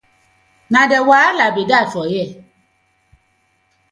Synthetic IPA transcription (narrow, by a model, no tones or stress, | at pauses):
nãdɛwaːlabedat͡ʃɔjɛ